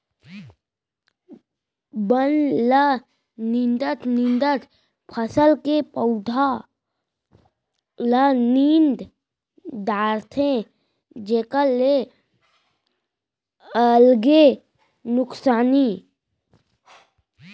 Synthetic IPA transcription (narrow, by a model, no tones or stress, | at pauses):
bənlə | nĩnd̪ət̪ʰnɪ̃nd̪ət̪ʰ | pʰəsəlkepəʊd̪ʱa | lənind̪ | d̪aːɾt̪ʰẽ | d͡ʒeːkəle | əlɡe | nʊksaːni